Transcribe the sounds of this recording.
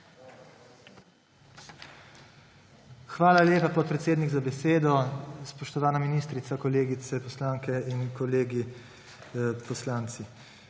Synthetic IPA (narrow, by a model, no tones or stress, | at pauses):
xʋaːlaljeːpapɔt̪̚pɾɛt̪seːd̪niɡzabɛseːd̪ɔspɔʃt̪ɔʋaːnaminiːst̪ɾit̪sakɔleːɡit̪sɛpɔslaːŋkɛinkɔleːɡi | pɔslaːnt̪si